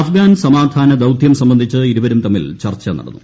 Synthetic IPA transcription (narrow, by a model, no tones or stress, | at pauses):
ɐfɡaːnsɐmaːd̪ʱaːnɐd̪ɐwt̪jɐmsɐmbɐnd̪ʱit͡ɕːɨiɾubɐɾumt̪ɐmːilt͡ɕɐrt͡ɕːɐnɐ̰ɽɐ̰nːu